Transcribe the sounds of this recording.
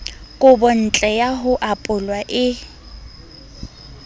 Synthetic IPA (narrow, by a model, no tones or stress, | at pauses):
kʼʊbɔn̩t͡ɬʼɛjaɦʊʔapʼʊlwaʔɪ